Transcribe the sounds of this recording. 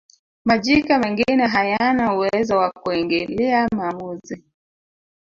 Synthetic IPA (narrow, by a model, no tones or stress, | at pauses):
maʄikamɛŋɡinɛɦajanauɛzawakuɛŋɡɛlɛamamuzi